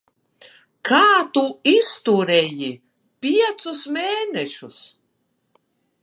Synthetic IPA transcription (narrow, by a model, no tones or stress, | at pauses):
kʰaːt̪uist̪uɾɛji | pʲiɛt̪susmeːnɛʃus